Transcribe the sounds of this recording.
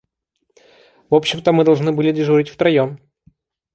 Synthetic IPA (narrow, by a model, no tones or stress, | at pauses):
vopɕːɪmt̪əmɨd̪ɐlˠʐnɨbɨlʲɪdʲɪʐuɾʲɪtʲft̪ɾɐjom